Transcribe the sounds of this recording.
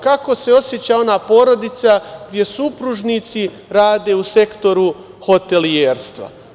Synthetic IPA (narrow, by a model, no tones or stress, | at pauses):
kako̞se̞o̞sje̞t͡ɕao̞naːpo̞ːɾo̞d̪it̪saɡd̪ʲje̞supɾuʒnit̪si | ɾaːd̪e̞ːuse̞kt̪o̞ɾu | ho̞t̪e̞lieːɾst̪ʋa̰